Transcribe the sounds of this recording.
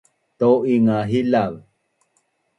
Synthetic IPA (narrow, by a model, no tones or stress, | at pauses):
t̪oiŋaɦilav